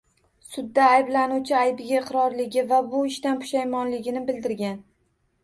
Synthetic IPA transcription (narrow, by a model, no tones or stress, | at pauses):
sʊd̪ːaːjblanut͡ʃʰɪajbɪɡʲaɪqɾɒɾlɪɡʲɪvabʊɪʃt̪anpʰʊ̥ʃajmɒnlɪɡʲɪnɪbɪld̪ɪɾɡʲan